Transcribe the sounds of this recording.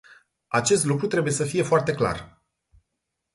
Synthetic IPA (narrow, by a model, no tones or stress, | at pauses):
at͡ʃe̞st̪lukɾut̪ɾe̞buje̞səfije̞foart̪e̞kla̰r